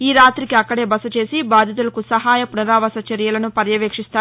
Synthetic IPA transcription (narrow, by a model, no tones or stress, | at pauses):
iːɾaːt̪ɾikiɐkːɐɽe̞ːbɐsɐt͡ʃe̞ːsibaːd̪ʱjɐt̪̬ulɐkusɐɦaːjɐpunɐɾaːʋɐsɐt͡ʃɐɾjɐlɐnupɐɾjɐʋeːkʂist̪aː